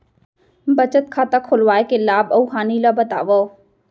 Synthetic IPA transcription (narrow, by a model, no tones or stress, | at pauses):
bət͡ʃət̪̚kʰaːt̪akʰolʋaːekelaːbəuɦaːniːlabət̪aːʋoː